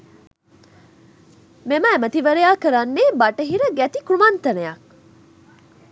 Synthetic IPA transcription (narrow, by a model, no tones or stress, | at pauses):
memaemət̪iʋɐɾejaːkɐɾanːeːbaʈəɦiɾəɡæt̪ikɾumant̪ɐnejak̚